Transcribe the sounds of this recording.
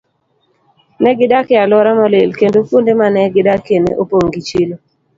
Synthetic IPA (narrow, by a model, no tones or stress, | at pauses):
nɛɡɪdakɪalɔɾamɔlelkendofondemanɛɡɪdakenḛʔopoŋɡit͡ʃilo